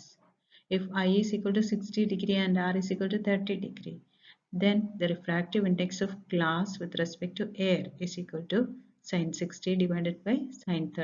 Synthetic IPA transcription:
s | ɪfajiziːkwəlʈusiksʈiɖiɡɾiɛ̃ɳɖaːɾiziːkwəlʈut̪ʰəɾʈiɖiɡɾḭ | d̪ẽnd̪əɾifɾæːk̚ʈiʋɪ̃ɳɖeksɔʋklaːsʋɪd̪ɾɛspek̚ʈuʔeːɾiziːkwəlɖ̚ʈu | sãɪ̃nsiksʈiɖimãɳɖeɖ̚baɪsãɪ̃nt̪ʰə

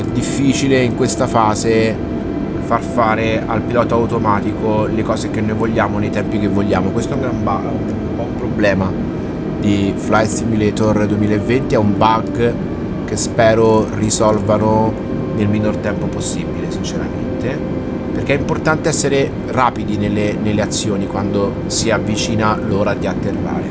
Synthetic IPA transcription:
ɛd̪ifːiːt͡ʃileiŋkwest̪afaːze | farfaːɾealpilɔːt̪oawt̪omaːt̪ikolekɔːzekenːojvoʎːaːmonejt̪ɛmpikevːoʎːaːmokwest̪oɛuŋɡɾamba | um | pɔumpɾoblɛːma | d̪iflajsimilet̪ord̪uemilaevːent̪iɛumbaɡ | k̟espɛːɾorisɔlvano | nelminort̪ɛmpoposːibilesint͡ʃeɾa̰ment̪e | perk̟eɛimport̪ant̪eɛsːeɾe | raːpid̪inelːenelːeat̪sːjoːnikwand̪o | siavːit͡ʃiːnaloːɾad̪iat̪ːerːa̰ːɾe

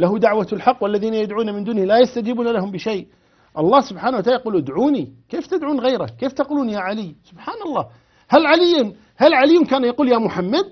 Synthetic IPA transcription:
laɦʊd̪aʕwalħɑqːwalːaðiːnajad̪ʕuːnamɪnd̪uːnhlajast̪ad͡ʒiːbuːnalaɦʊmbɪʃej | ʔɑlˤːɑːhsʊbħaːnawat̪aʕajquːlʔd̪ʕuːnikeːft̪ɪd̪ʕuːnɣajɾa̰keːft̪aquːluːnjaːʕalɪjsʊbħaːnɑlˤːɑː | halʕalɪjːʊn | halʕalɪjːʊnkaːnjaquːljaːmʊħamːad̪̚

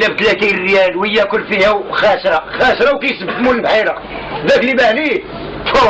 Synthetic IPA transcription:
lːæbt̪læt̪irːjælwəjːækʊlːfihæwxæʃɾˤɑxæʃɾˤɑwkæjsəbt̪mulbħiɾɑ | d̪æklibæʕni | t̪ʰo

